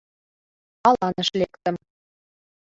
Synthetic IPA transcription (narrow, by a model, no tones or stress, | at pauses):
ɑlˠɑnə̆ʃlekt̪ə̆m